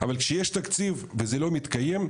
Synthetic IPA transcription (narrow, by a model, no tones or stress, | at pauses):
avalkʃejeʃt̪ak̪t͡sivvezelo̞mit̪kaje̞m